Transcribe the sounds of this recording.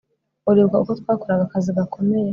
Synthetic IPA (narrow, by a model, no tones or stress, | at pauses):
uɾibɡaukot̪waːkoɾaɡakaziɡakʰo̞meje